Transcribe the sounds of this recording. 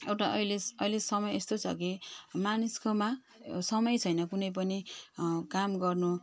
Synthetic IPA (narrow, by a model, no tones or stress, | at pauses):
ewʈaʔʌjleʌjlesʌmʌjest̪ot͡sʰʌ̰kimaniskoma | sʌmʌjt͡sʰʌjnʌkunʌjp̬ʌnikamɡʌrnu